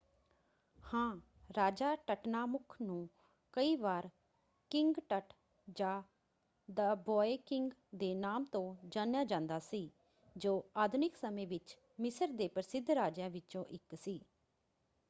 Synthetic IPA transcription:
hãː | ɾaːd͡ʒaːʈəʈnaːmʊkʰnũː | kəiːʋaːɾ | kɪŋɡʈəʈ | d͡ʒãː | d̪əbɔːekɪŋɡd̪eːnaːmt̪õːd͡ʒaːnjaːd͡ʒãːnd̪aːsiː | d͡ʒoːaːd̪nɪksəmẽːʋɪt͡ʃ | mɪsəɾd̪eːpɾəsɪd̪ʱɾaːd͡ʒãːʋɪt͡ʃõːʔɪksiː

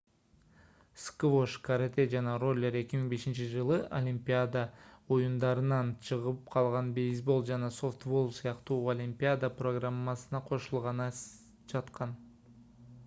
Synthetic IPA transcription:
skvo̞ʃkaɾt̪ed͡ʒɑnɑro̞lʲːe̞ɾe̞kʲimiŋbe̞ʃint͡ʃid͡ʒɯlˠɯʔolʲimʲpʲijad̪aojund̪ɑɾɯnɑnt͡ʃʰɯʁɯp̚qʰɑlˠʁɑnbe̞jzbo̞lˠd͡ʒɑnɑso̞ft̪vo̞lˠsɨjɑqt̪uːolʲimpʲijad̪apro̞ɡramːɑsɯnɑqʰo̞ʃulˠʁɑnɑ | d͡ʒɑt̪qɑn

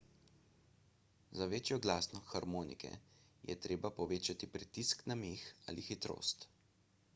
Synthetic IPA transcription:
zaʋeːt͡ʃjɔɡlaːsnɔxaɾmoːnḭkɛ̰jʔɛ̰t̪ɾeːbapɔʋeːt͡ʃat̪ipɾit̪isknameːxa̰ːlixit̪ɾo̰ːst̪

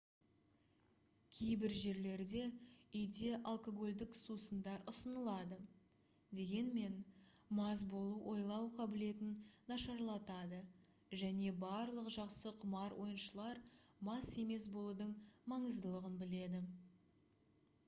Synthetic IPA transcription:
kʲʰe̞jbɪɾʒe̞ɾle̞ɾd̪e̞ʏjd̪e̞ʔalˠko̞ɡo̞lʲd̪ɪksusənd̪ɑɾʊsənəlˠɑd̪ə | d̪e̞ɡʲe̞nme̞nmɑzbo̞lˠuwʔo̞jlˠɑwqʰɑbɪle̞t̪ɪnːɑʃɑɾlˠɑt̪ɑd̪ə | ʒæne̞bɑɾlˠəqʒɑqsəqʰʊmɑɾwo̞jənʃəlˠɑɾmɑse̞me̞sbo̞lˠud̪əɴmɑɴəzd̪əlˠəʁənbɪle̞d̪ɪ

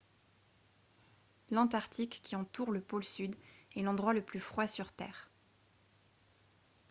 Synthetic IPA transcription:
lɑ̃t̪aʁt̪ikːiɑ̃t̪uʁləpolsyd̪ɛlɑ̃d̪ʁwaləplyfχwasyʁt̪ɛ̰ːʁ

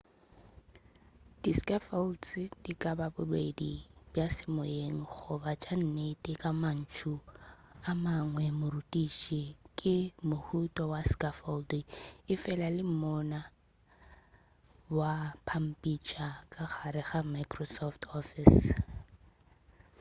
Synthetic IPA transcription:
d̥iskʼafɔlt͡sɪdikʼababʊbwedib̥jasɪmʊeŋ̩χʊbat͡ʃʼan̩netʼɪkʼaman̩t͡ʃʰuamaŋwɛmʊrutʼiʃʼikʼɪmʊhutʼɔwaskʼafɔldiɪfɛlalɪm̩mɔna | wapʰam̩pʼit͡ʃʰʼakʼaχaɾɪχamajkʼrɔsɔftʰɔfɪs

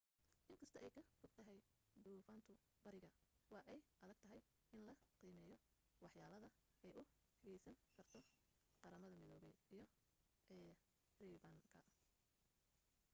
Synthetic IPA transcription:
ʔɪŋkʰɐst̪ʰɔʔɛjkʰɐfʊɡ̚t̪ʰɐɦɛj | d̪uːfaːnt̪ʰʊ | bɐɾɪɣɐwɑːʔɛjʔɐðɐɡ̥̚t̪ʰɐɦɛj | ɪnlɐqiːmɛːjɔ | wɑħjaːlɐðɐ | ʔɛjʊ | hɐɣɛjsɐŋkʰɐrt̪ʰɔ | qɑɾɐmɐðɐmɪðɔːβɛjijɞ | ɛ | riːβɐŋkʰɐ

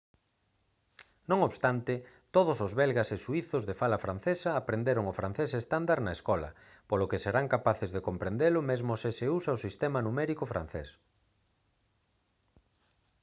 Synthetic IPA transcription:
nõŋoβst̪ant̪ɪ | t̪oð̞ʊsozβɛlɣaseʃuiθʊzðefalɐfɾan̟θesɐːpɾend̪eɾʊŋofɾan̟θesest̪and̪aɾnaeskɔlɐ̰ | polokɪseɾaŋkapaθezðekompɾend̪elʊmezmʊsɪseusaosist̪ɛmanumɛɾikofɾa̰n̟θḛs

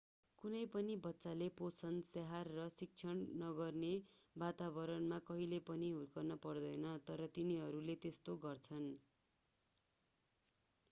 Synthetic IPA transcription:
kunʌjpʌnibʌtːsaleposʰʌnseɦarːʌsik̚t͡sʰʌɽnʌɡʌrnebat̪abʌɾʌnmakʌɦilepʌniɦurkʌrnʌpʌrd̪ʌjnʌt̪ʌɾʌt̪iniɦʌɾulet̪est̪oɡʌrt͡sʰʌn

